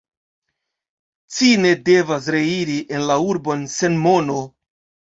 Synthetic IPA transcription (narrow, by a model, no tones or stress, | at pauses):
t͡sine̞de̞vas̬ɾe̞iɾiʔe̞nlauɾbo̞nse̞nmo̞no̞